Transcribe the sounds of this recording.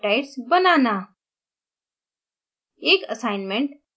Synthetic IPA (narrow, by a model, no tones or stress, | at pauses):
ʈajʈsbənana | ekəsajnmeɳʈ